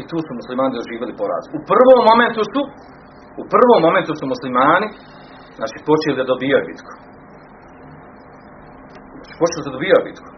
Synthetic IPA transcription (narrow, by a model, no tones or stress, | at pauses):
it̪uːsumuslimaːnid̪oʒiːʋelipoɾa̰ːzupr̩ʋoːmːo̞me̞nt̪usu | upr̩ʋoːmːo̞me̞nt̪usumuslimaːni | zna̰ːt͡ʃiːpo̞t͡ʃelid̪ad̪obijojobḭt̪kʰo̥ | zaːt͡ʃi̥pot͡ʃelid̪ad̪obijojobit̪kʰo̥